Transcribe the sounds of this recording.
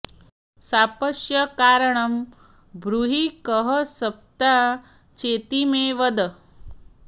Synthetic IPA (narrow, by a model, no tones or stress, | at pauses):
sapəʃjɐkaːɾəɳɐm | bʱɾuɦikəɦəsɐp̚t̪a | t͡ʃet̪imeʋəd̪ə